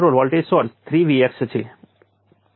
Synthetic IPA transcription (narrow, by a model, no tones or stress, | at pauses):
ɾolʋɔlʈesɔɾst̪ʰɾiʋiɛkst͡ʃʰe